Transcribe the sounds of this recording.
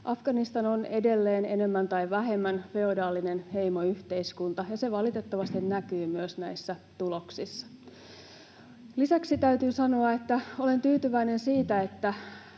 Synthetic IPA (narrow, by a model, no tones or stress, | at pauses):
ʔɑfɡ̥ɑnist̪ɑno̞ne̞de̞lːeːnene̞mːænt̪ɑjʋæɦe̞mːænfe̞odɑːlːine̞nhe̞jmo̞yht̪e̞iskunt̪ɑjɑse̞ʋɑlit̪e̞t̪ːɑʋɑst̪innækyːmyøsnæjsːæt̪ulo̞ksisːɑ̥ | lisæksit̪æyt̪yːsɑnoɑe̞t̪ːæo̞le̞nt̪yːt̪yʋæine̞nsiːt̪æe̞t̪ːæ